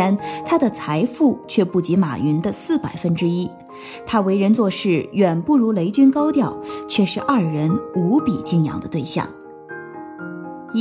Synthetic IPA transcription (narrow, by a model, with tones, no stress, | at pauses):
nt̪ʰa˥d̪ə˨t͡sʰa˧˥ɪfu˥˧t͡ɕʰɥɛ˥˧pu˥˩t͡ɕi˧˥ma̰˨˩y˧˥nd̪ə˧sɹ̩˥˩pa˨˩ɪfə˥nʈ͡ʂɻ̩˥i˥ | t̪ʰa˥we˧˥ɪɻə˧˥nt͡swɔ˥˧ʂɻ̩˥˩ɥɛ˨˩npu˥˩ɻu˧˥le˧˥ɪt͡ɕy˥nkɑ˥ʊt̪jɑ˥˩ʊt͡ɕʰɥɛ˥˧ʂɻ̩˥˧ʔɐ˥˩ɻə˧˥nu˧˥pḭ˨˩t͡ɕi˥˩ŋjɑ̰˧˥ŋd̪ə˧t̪we˥˧ɪɕjɑ̰˥˩ŋ